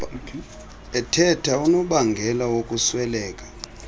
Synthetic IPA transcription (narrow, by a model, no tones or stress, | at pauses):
ɛtʰɛtʰaunɔɓaŋɡʱɛlawokʼuswɛlɛːkʼḁ